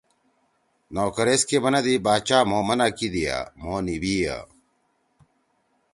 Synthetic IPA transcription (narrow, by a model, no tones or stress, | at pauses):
noːkɐɾeːskemɐnɐd̪ibaːt͡ɕaːmoːmɐnaːkid̪ija̰ːmoːnibiːja̰